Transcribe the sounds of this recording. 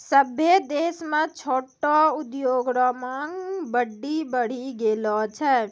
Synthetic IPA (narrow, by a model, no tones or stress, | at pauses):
səbʱed̪eːsmẽt͡ʃʰoːʈɔʊd̪joːɡɾɔmaːŋbəɖːibəɽ̤iɡeːlɔt͡ʃʰɛ